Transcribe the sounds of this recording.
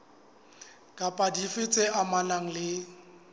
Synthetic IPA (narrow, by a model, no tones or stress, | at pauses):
kʼapʼadifɪt͡sʼeʔamanaŋ̩lɪ